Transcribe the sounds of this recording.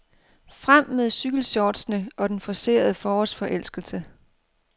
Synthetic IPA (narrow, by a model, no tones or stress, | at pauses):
fʁam̰ːeðˠsyɡ̥l̩ɕɒːd̥snəʔɒ̽d̥enfɒ̽se̝̰ːɐðˠəfɒːɒsfɒ̽ʔel̰sɡ̥l̩sə